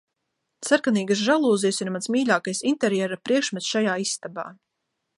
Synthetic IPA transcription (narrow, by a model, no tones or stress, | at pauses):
saɾkaniːɡas̬ʒalˠuːzijsiɾmansmiːʎʲaːkajsint̪ɛɾjɛɾapɾiɛkʃmɛt̪sʃajaːisːt̪aba̰ː